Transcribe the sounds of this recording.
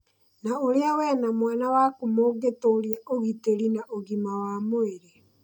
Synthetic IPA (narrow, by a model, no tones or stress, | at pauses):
naoɾeawɛːnamwanawaːkomoɡetoɾiaʔoɣiteɾinaʔoɣimawaːmoeɾe